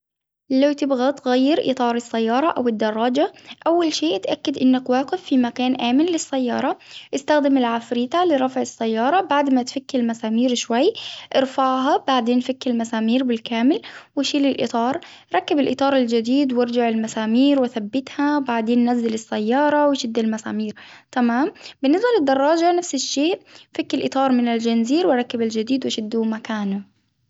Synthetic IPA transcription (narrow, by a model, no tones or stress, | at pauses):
lawt̪ɪbɣat̪ɣajːɪɾʔɪ̰t̪ˤɑːɾˤɪsːajːɑːɾˤɑʔawɪd̪ːɑrˤːɑːd͡ʒaʔawːalʃeːʔt̪ʔakːɪd̪ʔɪnːakwaːqɪfːimakaːnʔaːmɪnlɪsːajːɑːɾˤɑʔɪst̪axd̪ɪmɪlʕafɾiːt̪alɪɾˤɑfʕɪsːajːɑːɾˤɑbaʕd̪mat̪fakːlmasaːmiːɾʃwajːʔɪɾfaʕɦɑbaʕd̪eːnfakːɪlmasaːmiːɾbɪlkaːmɪlwɪʃiːlɪlʔɨ̰t̪ˤɑːɾˤ | ɾˤɑkːɪbɪlʔɪt̪ˤɑːɾˤɪld͡ʒɪd̪iːd̪wɪɾˤd͡ʒɪʕɪlmasaːmiːɾwaθabːɪt̪habaʕd̪eːnːazːɪlɪsːajːɑːɾˤɑwɪʃɪd̪ːɪlmasa̰ːmiːɾt̪amaːmbɪnːɪsbalɪd̪ːɑrˤːɑːd͡ʒanafsɪʃːeːʔfakːɪlʔɨt̪ˤɑːɾˤmɪnɪld͡ʒanziːɾwɾˤɑkːɪbɪld͡ʒɪd̪iːd̪wɪʃɪd̪ːumakaːnʊ